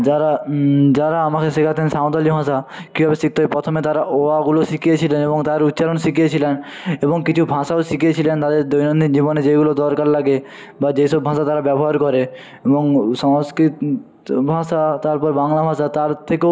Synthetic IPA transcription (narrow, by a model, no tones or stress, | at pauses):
d͡ʑaɾad͡ʑaɾaamakeʃikʰat̪ʰensaõt̪ɔlibʱãsakibʱabesik̚t̪ojpɾɔt̪ʰomet̪aɾaʔoaɡuloʃikijet͡ɕʰileneboŋt̪aɾut̪ːʃaɾonsikijet͡ɕʰilen | eboŋkit͡ɕʰubʱãʃaosikiet͡ɕʰilent̪ad̪eɾd̪ojnonid͡ʑiboned͡ʑeɡulod̪ɔɾkaɾlaɡe | bad͡ʑejsɔbʱãʃat̪aɾabɛbɔɦaɾkɔɾe | eboŋsɔŋskɾit̪ | bʱãʃat̪aɾpɔɾbaŋlabʱãsat̪aɾt̪ʰeke